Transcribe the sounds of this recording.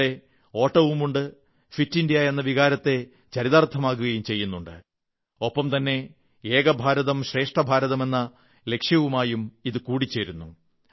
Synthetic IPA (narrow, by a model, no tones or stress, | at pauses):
e | o̞ːʈːɐʋumuɳɖɨ | fitːindjaːenːɐʋiɣaːɾɐt̪ːe̞ | t͡ɕɐɾiðaːrt̪ʰɐmaːkːuɣɐjumt͡ɕe̞jːunːuɳɖɨ | o̞pːɐmt̪ɐnːe̞ | eːɣɐbʱaːɾɐðɐmɕre̞ːʂʈrɐbʱaːɾɐðɐme̞nːɐ | le̞kʂjɐʋumaːjumiðɨkuːɽit͡ɕːe̞ːɾunːu